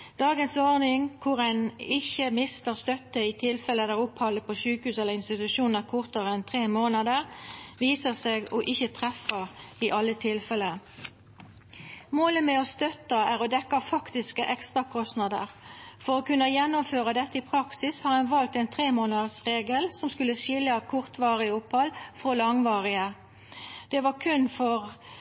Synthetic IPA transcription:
d̪̥ɑːɡənsɔʁnɪŋkʰʊʁæɪnɪçəmɪst̪əʁst̪œt̪ːəɪt̪ʰɪlfɛləd̪æːʁʊphɑlːəpʰɔʃʉːkhʉːsɛlːəʁɪnst̪ɪt̪ʉʃuːnnəʁkʰʊʁt̪əʁəɛnt̪ʰʁeːmoːnɑd̪əʁʋiːsəʁseːɡɔʔɪçːət̪ʰʁɛfəʁɪʔɑlːət̪ʰɪlfɛlə | moːləmɛɔst̪œt̪əæʁɔd̪ɛkːɑfɑkt̪ɪskəʔɛkst̪ʁɑkʰɔst̪nɑd̪ə̰ʁfɔʁɔkʉnːɑjɛnːʊmføːʁɑd̪ɛt̪ːəɪpʰʁɑksɪshɑːʁænʋɑlt̪ɛɪnt̪ʰʁeːmoːnɑd̪əʁsʁeːɡəlsɔmskʉləʃɪlɑkʰʊʁt̪ʋɑːʁɪəʊpːɑlfʁolɑŋʋɑːʁɪə | d̪̥ɛʋɑʁkʰʉnfɔʁ

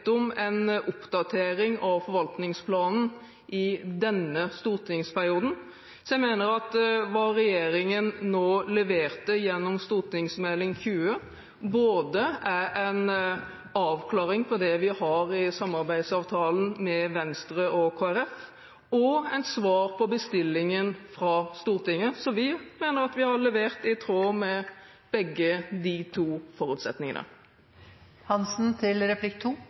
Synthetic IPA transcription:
t̪ɔmɛnʔʊpd̪ɑt̪ʰeːɾɪŋɑʋfɔɾʋɑlt̪nɪŋspʰlɑːnn̩ | ʔɪd̪ɛnːəst̪uːɾt̪ʰɪŋspʰæɾɪuːd̪n̩ | sɔjɛɪmeːnəɾɑt̪ʋɑɾɛjeːɾɪŋənnoːlɛʋeːʁt̪əjɛnːɔmst̪uːɾt̪ɪŋsmɛlɪŋçʉːə | boːd̪əææɪn | ɑːʋkʰlɑːɾɪŋpʰɔd̪ɛʋɪhɑɾɪsɑmːɑɾbæɪd̪sɑːʋt̪ʰɑːlən̩mɛʋɛnst̪ɾəʔɔkʰoːæɾɛf | ɔæɪt̪sʋɑːɾpʰɔbəst̪ɪlːɪŋənfɾɑst̪uːʁt̪ɪŋəsɔʋɪmeːnəɾɑt̪ʋɪhɑɾɭɛʋeːʁt̪ɪt̪ʰɾoːmɛ | b̥ɛɡːəd̪ɪt̪ʰuːfɔɾʉːt̪sɛ̰t̪nɪŋə̰nə̰ | hɑnsn̩t̪ʰɪlɾɛpʰlɪkt̪ʰuː

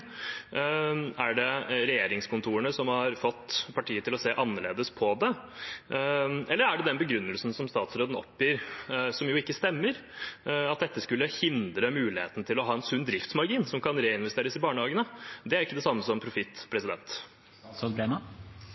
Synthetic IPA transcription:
æɖɛɾɛjeːɾɪŋskʊnt̪ʰuːəɳəsɔmhɑɾfɔt̪ːpʰɑʈʰiːət̪ɪlɔseːʔɑnːəɭeːd̪əspʰɔd̪ɛ | ʔɛlːəɾæɖɛd̪ɛnbəɡɾʉnːəlsn̩sɔmst̪ɑːt̪sɾoːd̪n̩ɔ̰pːjiːɾsɔmjʊɪkːəst̪ɛmːəɾ | ɑt̪̚d̪ɛt̪ːəskʉlːəhɪnd̪ɾəmʉːlɪhḛːt̪nt̪ʰɪlɔɦɑːɛnsʉnd̪ɾɪft̪smɑɾɡiːnsɔmkʰɑnɾeːɪnʋɛst̪eːɾəsɪbɑːɳəhɑːɡənəd̪ɛæɾɪkːəd̪ɛsɑmːəsɔmpʰɾʊfɪt̪ːpʰɾɛsɪd̪ɛ̰nt̪ | oːd̪bɾenɑ

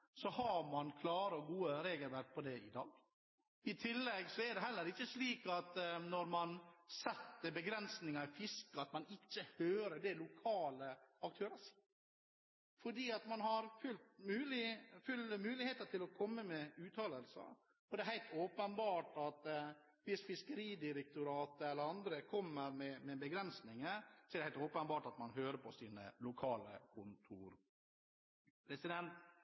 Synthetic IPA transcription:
sɔhɑɾmɑnkʰlɑːɾəɔɡuːəɾeːɡəlʋæɾk̚pʰɔd̪ɛɪ̰d̪ɑ̰ːɡ | ɪt̪ʰɪlːɛɡsɔɛɖɛɦɛlːəɾɪçːəsliːkɑt̪nɔɾmɑnsɛt̪ːəbəɡɾɛnsnɪŋɑɪfɪskɑt̪mɑnɪcːəhøːɾəɖ̪ɛlʊkʰɑːləɑk̚t̪ʰøːɾəs | fɔɖiːɑt̪mɑnhɑɾfʉlt̪mʉːlɪfʉləmʉːlɪheːt̪əʈ̪ʰɪlɔkʰɔmːəmɛʉːt̪ʰɑːləlsə̰ | ɔd̪ɛɛɦæɪlt̪ʰoːpənbɑːʈɑt̪ | fɪsfɪskəɾiːd̪ɪɾɛk̚t̪ʊɾɑːt̪əɛlːəɾɑnd̪ɾəkʰɔmːəɾmɛmɛbəɡɾɛnsnɪŋəsɔɛd̪ɛhæɪlt̪oːpənbɑːʈɑt̪mɑnɦøːɾəpʰɔsiːnə̰lʊkʰɑːlə̰kʰʊnt̪ʰuːɾ | pʰɾɛsɪd̪ɛnt̪

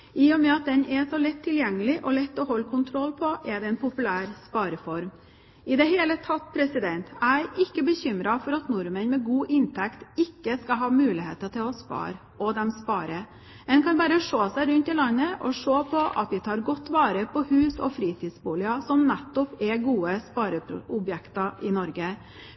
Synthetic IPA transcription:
ɪjɔmɛɑt̪̚d̪ɛnɛsɔlɛt̪ʰːɪljɛŋːəlɪʔɔlɛt̪ːɔɦɔlːkʰʊnt̪ʰɾɔlːpʰɔʔɛɖ̪ɛɛnpʰʊpʉlæːɾspɑːɾəfɔɾm | ɪd̪ɛheːlət̪ʰɑt̪̚ːpʰɾɛsɪd̪ɛnt̪ʰæɪʔɪkːəbəçʏmɾɑfɔɾɑt̪nʊɾmənmɛɡuːʔɪnt̪ʰɛkt̪ɪkːəskɑɦɑːmʉːlɪhḛːt̪əʈ̪ʰɪlɔspɑ̰ːɾ | ɔd̪ɛmspɑːɾə | ɛnkʰɑnbɑːɾəʂoːsæɪɾʉnt̪ɪlɑnːəʔɔ̰ʂoːpʰɔʔɑ̰t̪ʋɪt̪ʰɑːɾɡɔt̪ːʋɑːɾəpʰɔhʉːsɔ̰fɾiːt̪ʰiːd̪sbuːlɪɑsɔmnɛt̪ːʊpɛɡuːəspɑːɾəʊbjɛkt̪ɑʔɪnɔɾɡə

